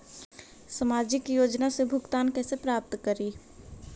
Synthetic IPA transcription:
səmaːd͡ʒɪkjoːd͡ʒnasebʱʊɡt̪aːnkɛːsepɾaːp̚t̪kəɾiː

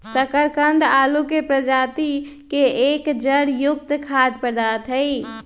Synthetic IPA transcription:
səkəɾkənd̪alukepɾəd͡ʒat̪ikeekd͡ʒəɽjuk̚t̪kʰad̪pəɾd̪at̪ɦəɪ

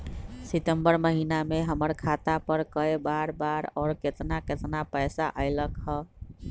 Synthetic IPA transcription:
sit̪əmbəɾməɦinameɦəməɾkʰat̪apəɾkəebaɾbaɾɔːɾket̪naket̪napəjsaʔəɪləkɦə

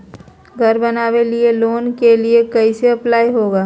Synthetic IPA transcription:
ɡʱɐɾbɐnaːwelieloːnkeliekɐiseɐplaːiɦoːɡaː

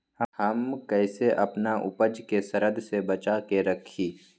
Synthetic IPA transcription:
hɐmkɛːseʔɐpnaʔʊ̰pəd͡ʒkesɐɾəd̪ʱsebɐt͡ʃakeɾɐkʰiː

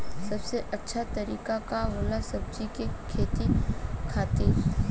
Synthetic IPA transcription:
sɐbseʔɐtːʃʰat̪ɐɾiːkakaɦoːlasɐb̚d͡ʒikekʰeːt̪ikʰaːt̪iɾ

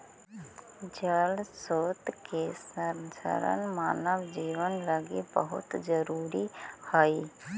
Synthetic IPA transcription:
d͡ʒəlsoːt̪kesənsə̰ɾə̰nmaːnəbd͡ʒiːʋənləɡḛbəɦʊ̰t̪d͡ʒəɾuːɾihəi

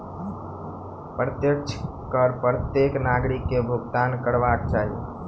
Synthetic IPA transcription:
pɾət̪jəkt͡ʃʰ | kəɾpɾət̪jeknaːɡɾikːebʱʊɡt̪aːnkəɾʋaɾt͡ʃaːɦḭ

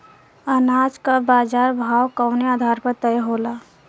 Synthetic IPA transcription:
ənad͡ʒkabaːd͡ʒaːɾbʱaːwkəʊnead̪ʱaɾpəɾt̪əjɦola

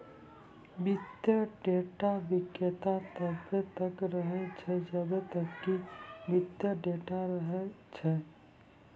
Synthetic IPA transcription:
bɪt̪jəɖeːʈabɪkːjət̪at̪əbet̪əkɾəɦet͡ʃʰɛd͡ʒəbet̪əkːibɪt̪jəɖeːʈaɾəɦet͡ʃʰɛ

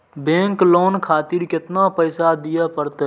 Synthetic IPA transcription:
bẽŋkloːnkʰaːt̪iɾket̪napəɪsad̪ijəpəɾt̪e

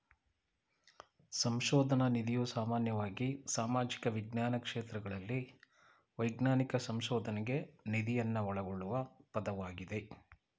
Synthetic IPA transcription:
sɐmʃɔːd̪ʱɐnɐnid̪ijusaːmaːnjɐʋaːɡisaːmaːd͡ʒikɐʋiɡnaːnɐkʂeːt̪ɾɐɡɐɭɐlːi | ʋɐjɡnaːnikɐsɐmʃɔːd̪ʱɐnɛɡe̞nid̪ijɐnːɐɔɭɐɡoɭːuʋɐpɐd̪ɐʋaːɡid̪e̞

